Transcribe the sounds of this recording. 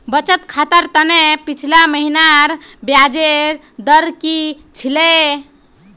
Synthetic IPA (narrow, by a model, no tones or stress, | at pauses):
bət͡ʃət̪kʰat̪əɾt̪ənepit͡ʃʰilaməɦinaɾbjad͡ʒeɾ | d̪əɾki | t͡ʃʰile